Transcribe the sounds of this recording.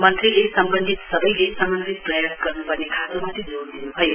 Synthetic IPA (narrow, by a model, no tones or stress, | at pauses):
mʌnt̪ɾilesʌmbənd̪ʱit̪sʌbʌjlesʌmbənd̪ʱit̪̚prʌjasɡʌɾnupʌɾnekʰat̪omat̪ʰid͡zoɾd̪inuɦʌj